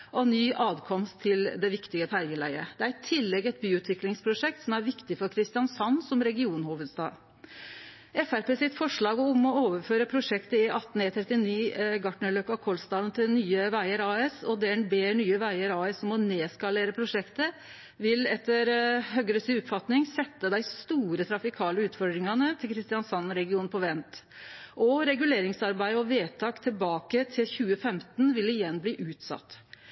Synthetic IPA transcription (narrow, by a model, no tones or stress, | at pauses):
ɔnyːʔɑːd̪kʰɔmst̪ʰːɪld̪ɛʋɪkt̪ɪɡəfæɾɡəlæ̰ɪə̰d̪̥ɛæɾɪt̪ʰɪlːɛɡɛt̪̚byːʉːt̪ʰʋɪklɪŋspʰɾʊʂɛk̚t̪sɔmæɾʋɪkt̪ɪfɔɾkʰɾɪst̪ɪjɑnsɑnːsɔmɾɛɡɪuːnhuːʋəd̪sd̪ɑ̰ː | ɛfæɾpʰeːsɪt̪fɔʂɭɑːɡəʊmɔoːʋəføːɾəpʰɾʊʂɛkt̪əɪʔɑt̪ːn̩ɛt̪ʰɾɛt̪ːɪniːɡɑʈɳəløkɑkʰɔlst̪ɑːd̪nt̪ʰɪlnyːəʋæɪəɾɑːɛsɔd̪ɛːɛnbeːɳyːəʋæɪəɾɑːɛsɔmɔneːskɑleːɾəpʰɾʊʂɛkt̪ə | ʋɪlɛt̪ːəɾɦœɡəɾəsiːup̪fɑt̪nɪŋsɛt̪ːəd̪æɪst̪uːɾət̪ʰɾɑfɪkʰɑːləʉːt̪fɔɖɾɪŋɑnət̪ʰɪlkʰɾɪst̪ɪɑnsɑnɾɛɡɪuːnpʰɔʋɛnt̪ | ʔɔɾɛɡʉleːɾɪŋsɑɾbæɪəɔʋeːt̪ʰɑːkt̪ʰɪlbɑːkət̪ʰɪlçʉːəfɛmt̪nʋɪlɪjɛnːbliːʔʉːt̪sɑ̰t̪ː